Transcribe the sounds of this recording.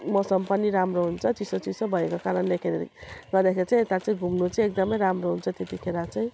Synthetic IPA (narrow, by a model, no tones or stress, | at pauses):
mʌsʌmpʌnːiɾamroɦunt͡sʰʌt͡sisot͡sisobʱʌekokaɾʌnlekʰeɾḛɡʌrd̪akʰeɾit͡sãj̃et̪at͡sʌĩɡʱumnut͡saj̃ek̚d̪ʌmʌjɾamroɦunt͡sʰʌt̪et̪ikʰeɾat͡sʌj̃